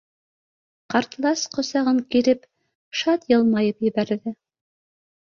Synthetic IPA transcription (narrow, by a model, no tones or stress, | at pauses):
qɑɾt̪lˠɑsqŏsɑʁɤŋkiɾɘp | ʃɑt̪jɤlˠmɑjɤpjɘ̆βæɾðɘ